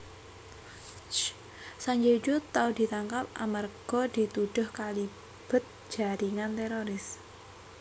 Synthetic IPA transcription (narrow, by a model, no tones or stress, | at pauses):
t͡ʃ | saɲd͡ʒed͡ʒut̪aud̪̥i̤t̪aŋkap̚ʔa̰marɡ̥ɔ̤d̪̥i̤t̪uɖ̥ʊ̤hkali | b̥ə̤t̪̚d͡ʒ̥a̤ɾiŋant̪eɾoɾɪs